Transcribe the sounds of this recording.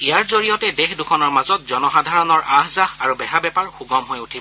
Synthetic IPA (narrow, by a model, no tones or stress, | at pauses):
ijaɹzoɹijɔtɛdexdukʰɔnɔɹmazɔt̚zɔnɔxadʱaɹɔnɔɹʔaɦzaxaɹubɛɦabɛpaɹxuɡɔmɦojutʰib